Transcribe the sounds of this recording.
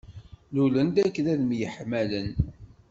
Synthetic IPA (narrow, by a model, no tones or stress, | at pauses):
lulənd̪ækːðæðmjəħmælən